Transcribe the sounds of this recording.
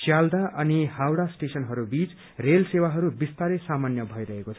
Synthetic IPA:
sjald̪aʔʌnihawɽasʈesʌnɦʌɾubit͡s | relsewaɦʌɾubist̪aɾesamanjʌbʱʌiɾʌɦekot͡sʰʌ

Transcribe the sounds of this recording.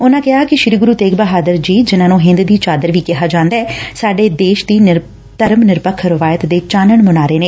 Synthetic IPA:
ʊnãːkɪɦaːkɪʃɾiːɡʊɾuːt̪eːɡbəɦaːd̪əɾd͡ʒiːd͡ʒɪnãːnũːɦɪ̃nd̪d̪iːt͡ʃaːd̪əɾʋiːkɪɦaːd͡ʒãːnd̪aːɛːsaːɖeːd̪eːʃd̪iː | t̪əɾmnɪɾpəkʰːɾɪʋaːjət̪d̪eːt͡ʃaːnəɳmʊnaːɾeːneː

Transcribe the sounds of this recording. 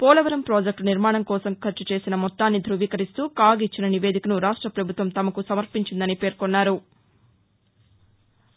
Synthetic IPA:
pɔːlɐʋɐɾɐmpɾoːd͡ʒek̚ʈniɾmaːɳɐmkɔːsɐmkʰɐɾt͡ʃːut͡ʃe̞ːsinɐmɔt̪ːaːnːid̪ʱɾuʋiːkɐɾist̪uːkaːɡit͡ʃːinɐniʋe̞ːd̪ʱikɐnuɾaːʂʈɾɐpɾɐbʱut̪ʋɐmt̪ɐmɐkusɐmɐɾpiɲt͡ʃind̪ɐnipe̞ːɾkonːaːɾu

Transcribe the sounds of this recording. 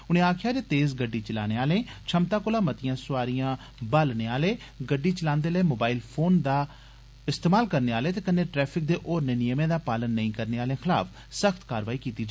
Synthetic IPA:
ʊnẽːaːkʰjaːd͡ʒeːt̪eːzɡəɖːiːt͡ʃəla̰ːneːaːlẽːt͡ʃʰəmt̪aːkʊlaːmət̪ɪjãːsʊaːɾijãː | balneːaːleː | ɡəɖiːt͡ʃəlãːnd̪eːləːmoːbaːiːlpʰoːnd̪aː | ɪst̪eːmaːlkəɾneːaːleːt̪̬eːkənːẽːʈɾɛːpʰɪk̚d̪eːʔoːɾneːnɪjəmẽːd̪aːpaːlənːəĩːkəɾneːaːlẽːxʰɪla̰ːfʰ | səxʰt̪kaːɾʋaːiːkiːt̪iːd͡ʒ

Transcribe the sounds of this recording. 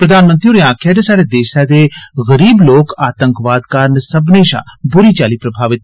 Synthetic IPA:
pɾəd̪aːnmənt̪ɾioːɾeãːkʰɛːd͡ʒesaːɽeːd̪eːʃaːd̪eːɣəɾiːbloːkaːt̪ə̃ŋkʋaːd̪kəɾnsəbneːʃa̰ːbʊɾiːt͡ʃaːliːpɾəbʱaːʋɪt̪

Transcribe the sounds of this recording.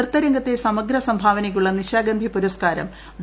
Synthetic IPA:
rt̪ːɐɾɐŋɡɐt̪ːesɐmɐɡɾɐsɐmbʱaːʋɐnɐjʲːuɭːɐniɕaːɡɐnd̪ʱipuɾɐskaːɾɐ̰m | ʋ

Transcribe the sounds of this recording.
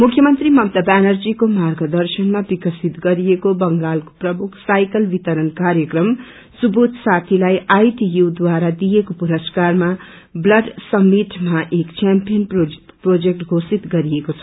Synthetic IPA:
mukʰjʌmʌnt̪rimʌp̚t̪ʌbanʌrd͡zikomarɡʌd̪ʌrsʌnmabikʌsit̪ɡʌɾijekobʌŋɡalko̥prʌmukʰsajkʌlbit̪ʌɾʌnkaɾjʌkrʌm | subut̪sat̪ʰilajajʈijud̪waɾad̪ijekopuɾʌskarma | blʌɖsʌmːiʈmaʔekt͡ʃampijʌnpoprod͡zek̚ʈɡʱosit̪ɡʌɾijekot͡sʰʌ

